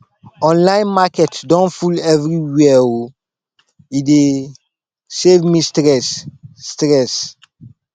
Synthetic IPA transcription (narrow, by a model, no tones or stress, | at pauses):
ɔ̃nlãj̃nmakɛtdɔ̃nfulɛvɹiwɛo | ide | sevmistɾɛsːtɾɛs